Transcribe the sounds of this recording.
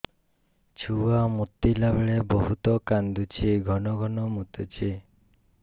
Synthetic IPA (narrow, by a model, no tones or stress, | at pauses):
t͡ʃʰuamut̪ːilabeɭeboɦut̪ɔkand̪ut͡ʃʰiɡʱɔnɔɡʱɔnɔmut̪ut͡ʃʰi